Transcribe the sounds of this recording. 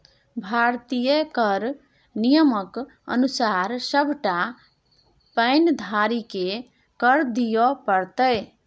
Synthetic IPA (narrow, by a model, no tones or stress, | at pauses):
bʱaɾt̪ijəkəɾ | nijəmək | ə̰nusaɾsəbʱʈa | pəɪnd̪ʱaɾike | kəɾd̪ijɔpəɾt̪əj